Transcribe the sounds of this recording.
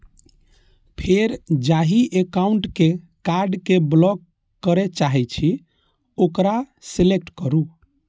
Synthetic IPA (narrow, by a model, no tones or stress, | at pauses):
pʰeɾd͡ʒaɦiʔekauɳʈke | kaɾɖkeblɔkː | əɾet͡ʃaɦɛt͡ʃʰi | okɾa | selek̚ʈkəɾu